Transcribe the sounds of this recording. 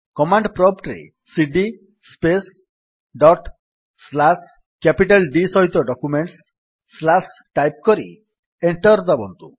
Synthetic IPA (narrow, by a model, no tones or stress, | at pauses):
kɔmaɳɖpɾɔpʈɾḛ | siɖi | spes | ɖɔʈ | slas | kapiʈalɖisɔɦit̪ɔɖɔkumeɳʈsː | lasʈajp̚kɔɾḭ | eɳʈɔɾd̪ɔbɔnt̪ṵ